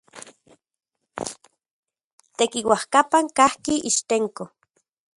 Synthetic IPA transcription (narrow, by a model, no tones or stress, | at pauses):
t̪ekiwahkapaŋkahkiʔiʃt̪eŋko